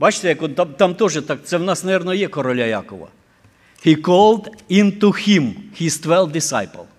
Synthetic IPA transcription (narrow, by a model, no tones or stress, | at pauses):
bɑt͡ʃt̪ɛjɐkɔt̪at̪ɑmt̪ɔʒɛt̪ɑk̚t̪sɛwnɑsnɐʋʲɛɾnɔjɛkɔɾɔlʲajɑ̰kɔʋɐ̰ | hikɔlˠd̪ɪnt̪ʊximhist̪ʋɛlˠd̪ɪsa̰jpɐ̰lˠ